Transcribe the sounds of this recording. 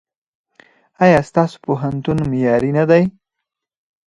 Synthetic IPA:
ajɑst̪ɑso̥poɦant̪unmejɑɾinad̪aj

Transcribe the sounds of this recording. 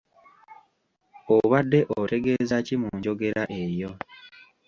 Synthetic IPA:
oβadːe̞ʔote̞ɡe̞ːzacimuɲɟo̞ɡe̞ɾaʔe̞jo̞

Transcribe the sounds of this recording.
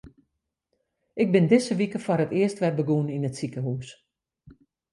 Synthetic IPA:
ʔɪɡ̚bɪndɪsəʋikəfarətɪəstʋɛbəɡuəninətsikəɦus

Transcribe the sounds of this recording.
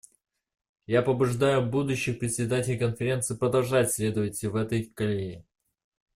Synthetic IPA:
japəbʊʐd̪ajʊbud̪ʊɕːɪxpɾʲɪt̪ʲsʲɪd̪atʲɪlʲɪkənfʲɪɾʲe̞nt̪sɨpɾəd̪ɐlˠʐatʲsʲlʲe̞d̪əvətʲɪlʲvɛt̪əjkɐlʲenʲɪ

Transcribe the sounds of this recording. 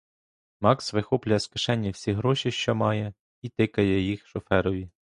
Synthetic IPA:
mɑksʋɪxɔplʲʊjɐskɪʃɛnʲːiwsʲiɦɾɔʃʲiʃt͡ʃɔmɑjɛ | it̪ɪkɐjɛjixʃɔfɛɾɔʋʲi

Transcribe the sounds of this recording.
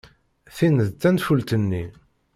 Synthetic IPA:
θinəðt̪ːænfult̪ənːi

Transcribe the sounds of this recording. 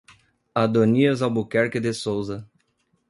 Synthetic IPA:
ad̪oniɐzawbukɛɾkɪd̪esowzɐ

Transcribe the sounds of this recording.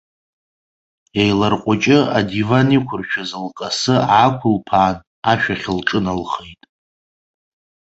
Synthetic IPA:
jajlarqʷʼat͡ʃʼɪadivanikʷʰʊrt͡ʃʰᶣazalkʼasɨakʷʰʊlpʰaːn | aʃᶣaχʲɪlʈ͡ʂʼɨnalχejtʼ

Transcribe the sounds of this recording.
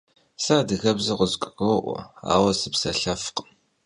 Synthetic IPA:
saːdɨɣɐbzɐqʷʊzkʷʼɣɐwʔʷɔ̰a̰ːwɐsɨpsɐɬɐfq

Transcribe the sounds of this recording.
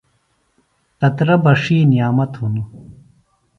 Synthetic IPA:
t̪ɐt̪ɾɐbɐʂiːnijaːmɐt̪hunu

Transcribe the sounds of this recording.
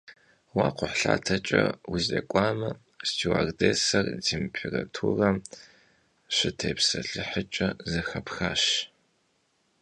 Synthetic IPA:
waːqʷʊħɬa̰ːtʰɐt͡ʃʼɐwʊzeːkʷʼaːmɐ | stʰiwa̰ːrdeːsɐrd͡zimpʰeratʰuːrɐm | ɕɪtʰeːpsɐɬɨħət͡ʃʼɐzɐxɐpxaːɕ

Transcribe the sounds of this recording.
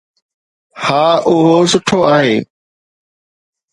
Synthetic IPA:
haːʊɦosʊʈʰoaːɦeː

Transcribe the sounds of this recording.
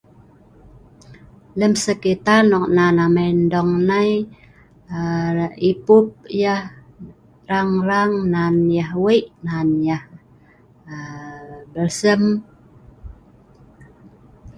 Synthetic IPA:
ləmsəkit̪arnɔk̚nanaməndɔŋnaj | ipup̚jah | raŋraŋnanjahwəʔnanjah | bəlsəm

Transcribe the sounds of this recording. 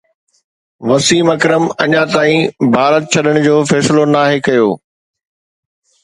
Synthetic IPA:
ʋɐsiːmɐkɾəmɐɲãt̪aːĩbʱaːɾət̪̚t͡ɕʰɐɗəɽ̃ʊ̆d͡ʑoːfɛːsɪlonaːɦekɐjoː

